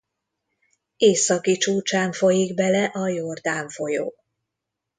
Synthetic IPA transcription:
eːsɒkit͡ʃuːt͡ʃaːɱfo̞jiɡbɛlɛʔɒjord̪aːɱfo̞jo̰ː

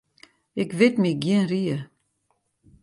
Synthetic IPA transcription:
ɪkʋɪtmiɡjiənriə

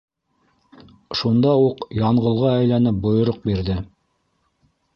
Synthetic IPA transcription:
ʃund̪ɑuqjɑɴʁɤ̆lˠʁɑæjlænɘp̚bŏjŏɾoq̚biɾðɘ

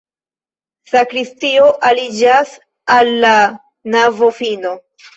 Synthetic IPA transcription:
sakɾistio̞ʔalid͡ʒas | alːa | navofino̞

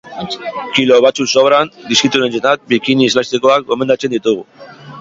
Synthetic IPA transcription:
kilo̞βat͡susoβɾand̪iskit̪uɾe̞nsenat̪̚bikiniezlast̪ekoak̚bome̞nd̪at͡se̞nd̪it̪uɣ̞u

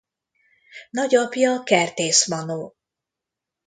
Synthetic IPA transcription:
nɒɟɒpjɒkɛrt̪eːsmɒnoː

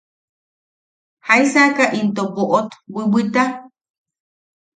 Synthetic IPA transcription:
hajsakaʔint̪oboʔot̪wɨwɨt̪a

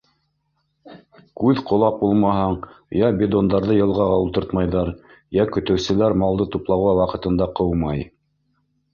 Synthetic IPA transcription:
kʉðqŏlˠɑq̚bulˠmɑɦɑɴjɑbʲɪd̪ond̪ɑɾðɤjɤ̆lˠʁɑʁɑulˠt̪ɤɾt̪mɑjðɑɾ | jækɵ̆t̪ɘ̆wsɘ̆læɾmɑlˠd̪ɤt̪uplˠɑwɑwɑqɤ̆t̪ɤ̆nd̪ɑqɤwmɑj

